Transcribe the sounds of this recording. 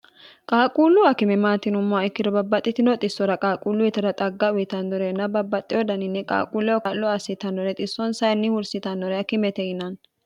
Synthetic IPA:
kʼaːkʼuːlːʊɐkɪmɛmaːt̪ɪnʊmːɔɐɪkːɪd̪ɔbɐbːɐt̪ʼːɪt̪ɪnɔt̪ʼɪsːɔɾɐkʼaːkʼuːlːʊjɛt̪ɛɾɐt̪ʼɐɡːɐʊɪt̪ɐnd̪ɔɾɛnːɐbɐbːɐt̪ʼːɪɔd̪ɐnɪnːɛkʼa̰ːkʼuːlːɛwɔkɐlːɔɐsɪt̪ɐnːɔɾɛt̪ʼɪsːɔnsɐjnːɪhʊɾsɪt̪ɐnːɔɾɛɐkɪmɛt̪ɛjɪnɐn

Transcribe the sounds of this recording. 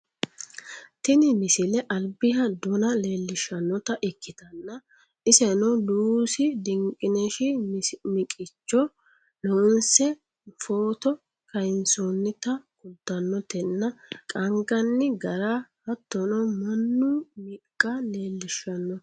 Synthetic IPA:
t̪ɪnɪmɪsɪlɛʔɐlbɪhɐd̪ɔnɐle̞ːlːɪʃːɐnːɔt̪ɐʔɪkːɪt̪ɐnːɐ | ɪsɛnɔluːsɪd̪ɪŋkʼːɪnɛʃɪmɪkʼɪt͡ʃːɔ | loʊnsɛ | foːt̪ɔ | kɐjɪnsonːɪt̪ɐkʊlt̪ːɐnːɔt̪ɛnːɐkʼɐŋɡɐnːɪɡɐɾahɐt̪ːɔnɔmɐnːʊmɪkʼːɐle̞ːlːɪʃɐnːɔ

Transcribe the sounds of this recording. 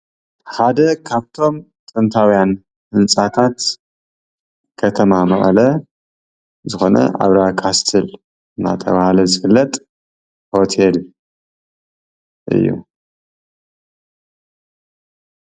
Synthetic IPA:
ħad̪ɐkʰaβt̪ʰo̞m | t̪ʼɨnt̪ʰawjan | hɨnt͡sʼat̪ʰat̪ | kʰɐt̪ʰɐmamɐχʼɐlɐ | zɨxo̞nɐ̰ʔa̰βɾakʰast̪ʰɨl | ɨnːa̰t̪ʰɐ̰βahlɐzɨfɨlːɐt̪ʼ | ho̞t̪ʰel | ʔɨ̰jːṵ

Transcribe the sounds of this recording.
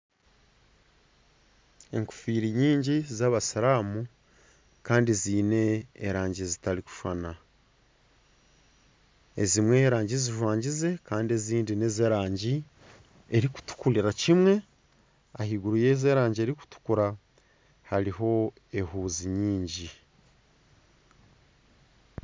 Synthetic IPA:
e̞̰ŋku̥fiːɾiɲiːɲɟizaβasaɾaːmu | kaːndiziːne̞̰ːɾaːɲɟizitaɾiku̥ʃwa̰na | ḛzimwe̞ɾaːɲɟiziʒwaːɲɟize̞kaːndie̞ziːndine̞zeɾaːɲɟi | e̞ɾiku̥tu̥kuliɾacimwe̞ | ahiɡuɾuje̞ze̞ːɾaːɲɟieɾiku̥tu̥kuɾa | haɾiɦo̞ | e̞huːziɲiːɲɟi

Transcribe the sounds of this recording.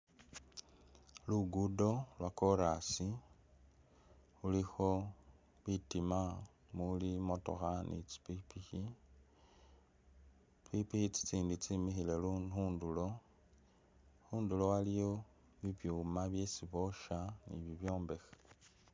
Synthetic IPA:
luɡudo̞lwakoɾasi | ulixo̞ | βitima | mulimoto̰xanʔḭt͡si̥pipixi | pipixit͡si̥t͡siːndit͡simixile̞luhuːndulo̞ | huːndulo̞walijo | βiβjumaβje̞siβo̞ʃanḭβiβjoːmbe̞xḁ

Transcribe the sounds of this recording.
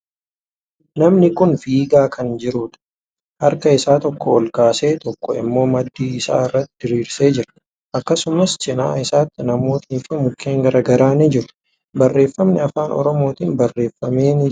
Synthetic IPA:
nɐmnɪkʊnfiːɡaːkʰɐnd͡ʒɪɾuːᶑ̪ɐ̥ | hɐɾkɐɪsaːt̪ɔkːɔɔlkaːse̞ːt̪ɔkːɔɪ̰mːo̞ːmɐd̪ːiːɪsa̰ːɪrːɐt̪ːɪd̪ɪɾiːɾse̞ːd͡ʒɪɾɐ | ʔɐkːɐsʊmɐst͡ʃɪna̰ːɪsaːt̪ːɪnɐmo̞ːt̪niːfɪmʊkʰːeːŋɡɐɾɐɡɐɾaːnɪd͡ʒɪɾʊ̥ | bɐrːe̞ːfːɐmnɪɐfaːnɔ̰ɾɔmo̞ːt̪iːnbɐrːe̞ːfːɐme̞ːnɪ

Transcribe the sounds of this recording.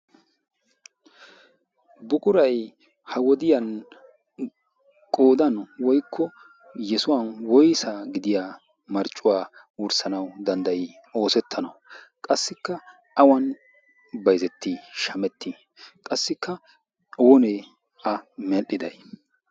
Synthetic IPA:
bʊkʼʊɾɐj | hɐwɔd̪ɪjɐn | kʼo̞ːd̪ɐnwɔjkʰːɔ | jɛsʊwɐnwɔjsaːɡɪd̪ɪjaː | mɐɾt͡ʃʼːʊwaː | wʊɾsɐnɐwd̪ɐnd̪ɐj | o̞ːsɛt̪ʰːɐnɐw | kʼɐsːɪkːɐ | ʔɐwɐn | bɐjzɛt̪ːiʃɐmɛt̪ːi | kʼɐsːɪkːɐ | wɔne | ɐmɛʔɪd̪ɐ̰j

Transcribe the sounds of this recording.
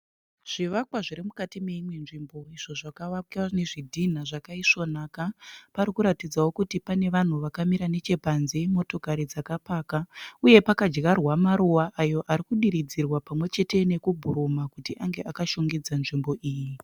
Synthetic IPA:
ʐ̥iʋakwaʐiɾimukatime̞imwe̞nʐimbo̞iʐo̞ʐakaʋakaneʐidʱin̤aʐakaiʂo̞naːkapaɾikuɾatid͡zawo̞kutipane̞ʋan̤uʋakamiɾane̞t͡ʃe̞panzemo̞to̞kaɾid͡zakapaːkauje̞pakad͡ʒɡarwamaɾuwaʔajo̞ʔaɾikuɗiɾid͡zirwapamwe̞t͡ʃe̞te̞ne̞kubʱuɾumakutiʔaŋɡe̞ʔakaʃoŋɡid͡zanʐimbo̞ʔiːji

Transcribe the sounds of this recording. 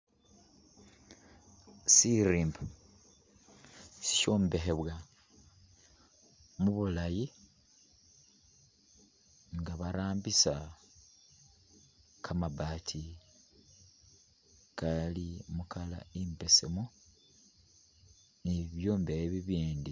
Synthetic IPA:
siɾimb | si̥co̞ːmbe̞xeβwa | muβulaji | ŋɡaβaɾaːmbisa | kʰamabatʰi | kalimukala̰impe̞semo | niβjo̞ːmbeheβiβiːndi

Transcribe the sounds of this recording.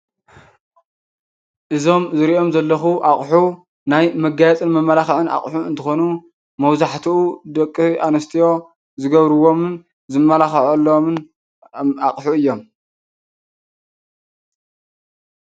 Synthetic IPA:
ʔɨzo̞mzɨɾiʔo̞mzɐlːɐxuʔaχʼħu | najmɐɡajɛt͡sʼɨnmɐmːɐlaxʕɨna̰χʼħuɨ̰nt̪ʰɨxo̞nu | mɐwzaħt̪ʰiud̪ɐkʼːɨʔanɐst̪ʰijo̞ | zɨɡɐβɾɨwo̞mɨn | zɨmːɐlaxʕɐlːomɨn | aqʼħuɨjːo̞m

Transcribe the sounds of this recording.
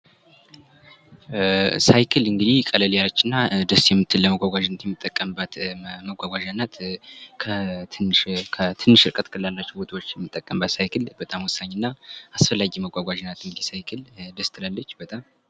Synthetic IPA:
sajkʰɨlɨŋɡɨd̪ihkʼələljalət͡ʃːɪnːad̪əsjɛmːɨt̪ʰːɨlləməɡʷaɡʷaʒnːət̪jɛmːɨt̪ʼːəkʼːəmbət̪məɡʷaɡʷaʒanːat̪kʰənkʰət̪ʰɨnːɨʃɨɾkʼət̪kʰɨlalːat͡ʃːubot̪ʰwot͡ʃːjɛmːɨt̪ʼːəkʼːəmbət̪sajkʰɨlb̥ət̪ʼamwʊsːaɲːɪnːaasfəlːaɡiməɡʷaɡʷaʒnːat̪ɨŋɡɨd̪isajkʰɨld̪əst̪ʰɨlalːət͡ʃːbət̪ʼam

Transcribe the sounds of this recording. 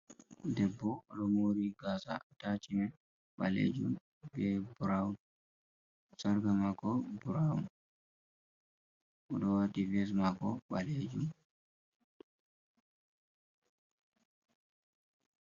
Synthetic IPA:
dɛbːɔlɔmoɾiɡasa̰tat͡ʃinɛ | ɓa̰lḛd͡ʒum | bɛbuɾaun | saɾɡamakɔbuɾaun | ʔɔɗɔwativɛs̬makɔɓaled͡ʒum

